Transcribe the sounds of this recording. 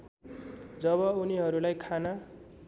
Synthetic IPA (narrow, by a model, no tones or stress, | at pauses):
d͡zʌβʌuniɦʌɾulajkʰana